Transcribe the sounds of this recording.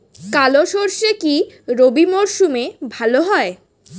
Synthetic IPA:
kaloʃoɾʃekiɾobimoɾʃumebʱaloɦɔe

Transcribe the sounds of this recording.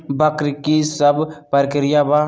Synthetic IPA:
bəkɾkisəbpəɾkɪɾɪjabaː

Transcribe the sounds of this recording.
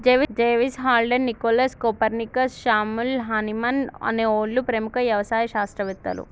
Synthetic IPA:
d͡ʒeːʋid͡ʒeːʋisɦaːlɖennːikoːlɐskopɐɾnikɐsʃaːmulɦɐnimɐnɐ̰neːoːlːupɾemukɐʋjɐʋɐsaːjɐʃaːst̪ɾɐʋit̪ːɐ̰lṵ

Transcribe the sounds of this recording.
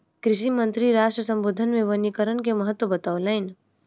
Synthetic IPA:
kɾɪʃimə̃nt̪ɾiɾaːʃʈɾəsə̃mboːd̪ʱənmẽʋənikəɾənkeməɦət̪wəbɐt̪aolaːɪn

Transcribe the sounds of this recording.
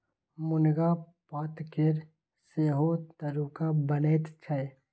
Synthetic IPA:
mʊnɡapaːt̪keɾ | seːɦot̪əɾuːkabəneːt̪t͡ʃʰae

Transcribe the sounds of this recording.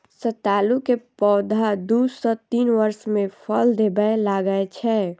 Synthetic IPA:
sət̪aːlukepɔːd̪ʱad̪usɔt̪iːnʋəɾsmẽpʰəld̪ebəjlaɡəet͡ʃʰɛ

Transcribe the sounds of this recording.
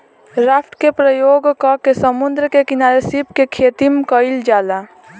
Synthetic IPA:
ɾapʰʈkepɾəjoːɡkɔkesəmund̪ɾəkekɪnaːɾesipkekʰeːt̪imkəɪld͡ʒaːla

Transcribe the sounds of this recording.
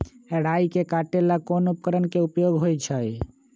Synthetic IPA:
ɛɽaikekaʈelakonupkəɾənkeupjoɡɦojt͡ʃʰəj

